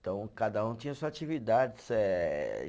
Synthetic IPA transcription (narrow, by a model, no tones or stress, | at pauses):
t̪ɐ̃w̃kad̪ɐũt̪ĩɲ̃ɐsuzat͡ʃivid̪ad͡ʒɪsɛ̰